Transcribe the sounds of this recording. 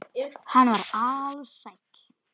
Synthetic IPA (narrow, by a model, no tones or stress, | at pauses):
hanːvaɾaðsajŋk